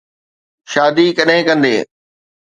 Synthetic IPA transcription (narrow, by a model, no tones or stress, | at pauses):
ʃaːd̪ikɐɗɦɪ̃kɐ̃nd̪ḛː